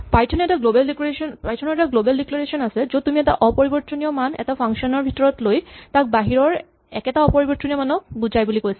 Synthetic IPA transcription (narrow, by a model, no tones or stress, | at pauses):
pajtʰɔnɔɛtaɡlobaldikoɹesɔnpajtʰɔnɔɹɛtaɡlobaldiklaɹesɔnasɛzotumiɛta̰ʔɔpɔɹibɔɹɔnijɔmanɛ̰tapʰaŋkʃɔnɔɹbʱitɔɹɔtlojtak̚baɦiɹɔɹ | ɛ̰kɛtaɔpɔɹibɔɹt͡ʃɔnijɔmanɔbud͡ʑajbulikojsɛ